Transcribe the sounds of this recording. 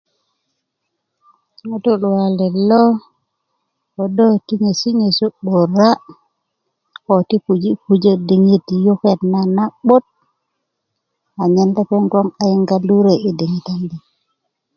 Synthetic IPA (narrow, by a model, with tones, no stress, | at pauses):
ŋo˦tu˦lu˨wa˨le˨lːo˦ | o˨do˦ti˦ɲe˨si˦ɲe˨su˦ɓo˨ɾa˦ | o˨ti˦pu˨d͡ʒi˦pu˨d͡ʒe˦di˨ŋi˦tjo˦ke˦˨tna˨na˦ɓo˦t̚ | a˨ɲe˦nde˦pe˦ŋɡo˦ŋa˨ji˦ŋɡa˦lu˦ɾe˨ʔi˨di˨ŋi˨ta˦ndi˨